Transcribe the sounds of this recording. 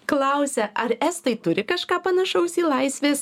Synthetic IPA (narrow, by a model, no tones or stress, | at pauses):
klˠɐʊsʲɛʔɐɾɛst̪ɐɪt̪ʊɾʲɪkɐʃkɑːpɐnɐʃɐʊsiːlˠɐɪsʲʋʲeːs